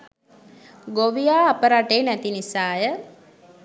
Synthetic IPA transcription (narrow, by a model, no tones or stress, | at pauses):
ɡoʋijaːpəɾaʈeːnɛt̪inisaːjə